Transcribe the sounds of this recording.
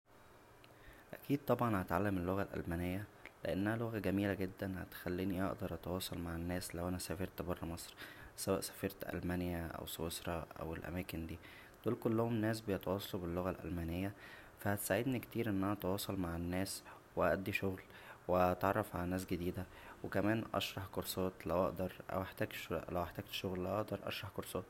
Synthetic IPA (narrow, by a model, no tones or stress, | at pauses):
ʔæ̰kiːd̪̚t̪ˤɑbʕɑnhæt̪ʕalːæmelːoɣælʔæ̰lmæːnejːæleʔenːæhæloɣæɡæmiːlæɡed̪ːænhæ̰t̪xælːiːniʔḛʔd̪ɑɾˤʔɑt̪ɑwɑːsˤɑlmaʕenːæːslæwʔænæsæfeɾˤt̪bɑrˤːɑmɑsˤɾsæwæːʔsæ̥fɑɾˤt̪ʔæ̰lmænjæʔæ̰weswesɾˤɑʔæ̰welʔæ̰mæːkend̪iː | d̪uːlkolːohomenːæːsbejet̪ɑwɑːsˤɑlubelːoɣælʔæ̰lmænejːæ | fæhæt̪saʕed̪nikt̪iːɾʔenːʔænæʔɑt̪ɑwɑːsˤɑlmaʕenːæːs | weʔæʔæd̪ːiʃoɣl | wet̪ʕɑrˤːɑfʕalænæːs̬ɡed̪iːd̪æ | wekæmæːnʔɑ̰ʃɾˤɑħkoɾsoːt̪læwʔɑ̰ʔd̪ɑɾˤʔæ̰weħt̪æːɡʃlæwʔeħt̪æːɡ̚t̪ʃoɣllæʔɑʔd̪ɑɾˤʔɑ̰ʃɾˤɑħkoɾsˤoːt̪